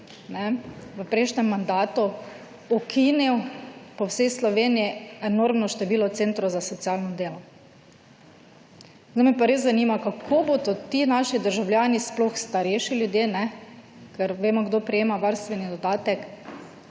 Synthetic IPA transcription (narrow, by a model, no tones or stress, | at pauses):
nɛʋəpɾeʃnɛmːand̪aːt̪u | ɔkʰiniwpɔwsɛjslɔʋeːnijɛɛnoɾmnɔʃt̪ɛʋiːlɔwt̪sent̪ɾɔzasɔt̪siaːlnɔd̪eːlɔ | zamɛpaɾeːszanimakakʰobod̪ot̪inaːʃid̪əɾʒawljaːnisplɔxst̪aɾɛʃiljud̪jeːnɛ | kɛɾʋeːmɔɡd̪opɾɛjeːmaʋaɾst̪ʋɛnid̪ɔd̪aːt̪ɛk